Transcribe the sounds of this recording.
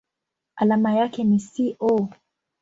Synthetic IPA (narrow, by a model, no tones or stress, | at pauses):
alamajakɛnisiʔɔ